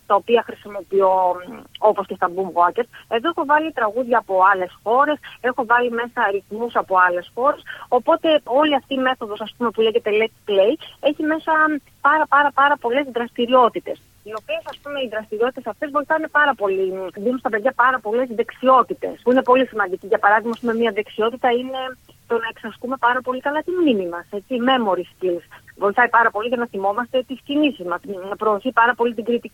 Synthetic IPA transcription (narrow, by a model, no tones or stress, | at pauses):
t̪ɐopiɐxɾisimo̞pio̞oposce̞st̪ɐbumɐceɾe̞ðoexo̞vɐlit̪ɾɐɣuðʝɐːpo̞ɐle̞sxo̞ɾe̞sexo̞vɐlime̞sɐɾiθmusɐpo̞ɐle̞sxo̞ɾe̞so̞po̞t̪e̞o̞liɐft̪iːme̞θo̞ðosɐspume̞puleʝe̞t̪e̞lekple̞je̞çime̞sɐ | pɐɾɐpɐɾɐpɐɾɐpo̞le̞zðɾɐst̪iɾio̞t̪it̪e̞s | io̞pie̞sɐspume̞iðɾɐst̪iɾio̞t̪it̪e̞sɐft̪e̞zvo̞jθɐnepɐɾɐpo̞liðimst̪ɐpe̞ðʝɐpɐɾɐpo̞le̞zðe̞ksio̞t̪it̪e̞̰spuine̞po̞lisimɐnd̪iciʝɐpɐɾɐðimɐːspume̞miɐðe̞ksio̞t̪it̪ɐine̞ | t̪o̞nɐe̞ksɐsk̪ume̞pɐɾɐpo̞likɐlɐt̪immimimɐse̞t͡sime̞mo̞ɾiscilsvo̞jθɐipɐɾɐpo̞liʝɐnɐθimo̞mɐst̪e̞t̪iscinisizmɐspɾo̞ːθipɐɾɐpo̞lit̪iɡɾit̪ii